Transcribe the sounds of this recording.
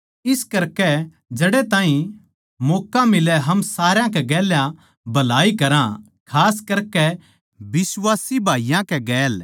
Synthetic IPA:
ɪskɐɾkɛ | d͡ʒɐɽet̪ãːɦĩ | mɔːkamɪlɛɦɐmsaːɾjãkɛɡɛːljã | bɐlaːikɐɾã | kʰaːskɐɾkɛ | bɪswaːsibʱaːijãkɛɡɛːl

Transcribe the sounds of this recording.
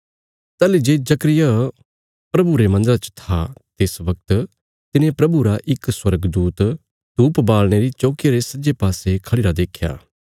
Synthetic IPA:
t̪ɛːlid͡ʒeːd͡ʒɐkɾɪja | pɾɐbuɾemɐ̃nd̪əɾat͡ʃə̥t̪ʰat̪ɪsʋɐk̚t̪ | t̪ɪnẽpɾɐbuɾaʔɪkswɐɾɡd̪uːt̪ | t̪uːpbaːlɽ̃eɾit͡ʃoːkjaɾesɐd͡ʒepaːsekʰɐɭiːɾad̪eːkʰja̰ː

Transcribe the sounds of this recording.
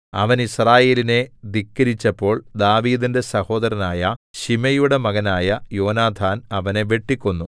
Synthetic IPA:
ɐ̰ʋɐnisraːje̞ːline̞d̪ikːɐɾit͡ɕːɐpːo̞ːɭd̪aːʋiːd̪inde̞sɐho̞ːd̪ɐɾɐnaːjɐɕimɐjuɽe̞mɐɣɐnaːjɐjo̞ːnaːd̪ʰʱaːnɐʋɐne̞ʋe̞ʈːikʲːunːu

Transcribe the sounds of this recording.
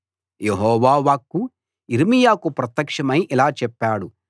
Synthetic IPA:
jeɦɔːʋaːʋaːkːu | iɾmijaːkupɾɐt̪ːjɐkʂɐmɐjʔilaːt͡ʃɛpːaːɽu

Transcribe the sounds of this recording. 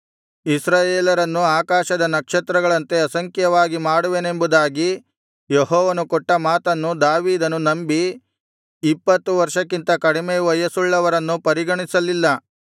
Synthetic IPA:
isɾaːjeːlɐɾɐnːuaːkaːʃɐd̪ɐnɐkʂɐt̪ɾɐɡɐɭɐnt̪e̞ɐsɐŋkjɐʋaːɡimaːɽuʋene̞mbud̪aːɡi | jeɦɔːʋɐnukɔʈːɐmaːt̪ɐnːud̪aːʋiːd̪ɐnunɐmbiː | pːɐt̪ːuʋɐɾʂɐkːint̪ɐkɐɽimeːʋɐjɐsuɭːɐʋɐɾɐnːupɐɾiɡɐɳisɐlilːɐ

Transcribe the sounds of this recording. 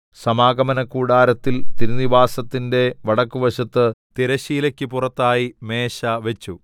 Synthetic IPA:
sɐmaːɡɐmɐnɐkːuːɽaːɾɐt̪ːilt̪iɾuniʋaːsɐt̪ːinde̞ʋɐɽɐkːuʋɐɕɐt̪ːɨt̪iɾɐɕiːlɐkʲːɨpurɐt̪ːaːjime̞ːɕɐʋet͡ɕːu

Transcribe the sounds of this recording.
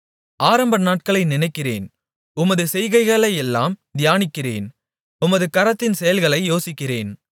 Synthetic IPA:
ʔaːɾɐmbɐnaːʈ̚kɐɭɐɪnɪnɐɪkːɪrḛːn | ʊmɐðɯsɛjɣɐɪɣɐɭɐɪɛlːa̰ːmd̪ɪjaːnɪkːɪrḛːn | ʊmɐðɯkɐɾɐt̪ːɪnsɛjɐlɣɐɭɐɪjoːsɪkːɪreːn

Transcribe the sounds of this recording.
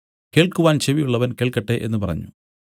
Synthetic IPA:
ke̞ːɭkuʋaːnɕeʋijuɭːɐʋɐnke̞ːɭkɐʈːe̞ʔenːɨpɐrɐ̰ɲːu

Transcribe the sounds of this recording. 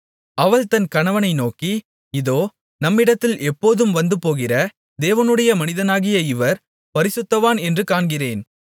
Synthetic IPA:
ɐʋɐɭt̪ɐnkɐɳɐʋɐnɐɪnoːki | ɪðoː | nɐmːɪɽɐt̪ːɪlɛpːoːðɯmʋɐnd̪ɯpoːɣɪrɐ | d̪eːʋɐnɯɽɐjɐmɐnɪðɐnaːɣɪjɐɪʋɐɾ | pɐɾɪsɯt̪ːɐʋaːnɛndrɯkaːɳɡɪreːn

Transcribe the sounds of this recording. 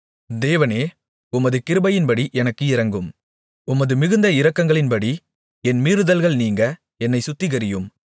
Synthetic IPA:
d̪eːʋɐneː | ʊmɐðɯkɪɾɯbɐjɪnbɐɽiʔɛnɐkːɯɪɾɐŋɡɯm | ʊmɐðɯmɪɣɯnd̪ɐɪɾɐkːɐŋɡɐɭɪnbɐɽi | ɛnmiːɾɯðɐlɣɐɭniːŋɡɐ | ɛnːɐɪsʊt̪ːɪɣɐɾɪjɯm

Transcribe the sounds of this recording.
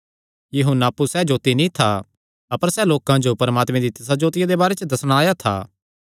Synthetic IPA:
juɦunaːpːusɛd͡ʒoːt̪inĩt̪ʰa | ɐpəɾsɛloːkãd͡ʒopɐɾəmaːt̪mẽd̪it̪ɪsad͡ʒoːt̪ɪjad̪ebaːɾet͡ʃəd̪ɐsɽ̃aːjat̪ʰa̰ː

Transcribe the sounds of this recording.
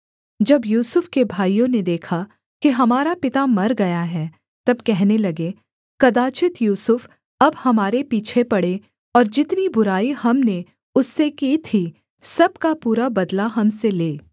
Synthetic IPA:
d͡ʒɐbjuːsʊfkebʱaːijõned̪eːkʰa | keɦɐmaːɾapɪt̪amɐɾɡɐjaɦɛː | t̪ɐbkɛɦnelɐɡe | kɐd̪aːt͡ʃɪt̪juːsʊf | ɐbhɐmaːɾepiːt͡ʃʰepɐɽe | ɔːɾd͡ʒɪt̪nibʊɾaːihɐmne | ʊsːekiːt̪ʰi | sɐb̚kapuːɾabɐd̪laɦɐmseleː

